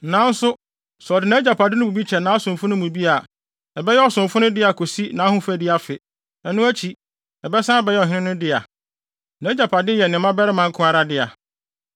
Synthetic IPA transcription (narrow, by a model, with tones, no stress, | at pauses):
nã˨˦n̩˦sʊ˦ | sɔ˨dɪ˨nã˦d͡ʑa˨pʰa˨dɪ˦nʊ̃˦mũ˨bi˦t͡ɕʰɛ˨nã˨˦a˦sʊ̃˨m˨fʊ̃˦nʊ̃˦mũ˨bi˦a˨ | ɛ˨bɛ˦jɛ˦ɔ˨sʊ̃˨mfʊ̃˦nʊ̃˦dɪ˦a˨kʰo˨si˦nã˨˦hʊ̃˦fæ˨di˦a˨fɪ˨ | ɛ˨nʊ̃˦æ˦t͡ɕʰi˨ | ɛ˨bɛ˦sã˦˨bɛ˦jɛ˦ɔ˨ɦɪ̃˦nɪ̃˦nʊ̃˦dɪ˦a̰˨ | nã˨˦d͡ʑa˨pʰa˨dɪ˦jɛ˨nɪ̃˨˦mã˦bɛ˦ɾɪ˦mã˨ŋ̩˦kʰʊ̃˦a˨ɾa˦dɪ˦a˨